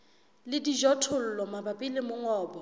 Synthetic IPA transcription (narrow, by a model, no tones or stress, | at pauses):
lɪdiʒɔtʰʊl̩lɔmabapʼɪlɪmʊŋɔːbɔ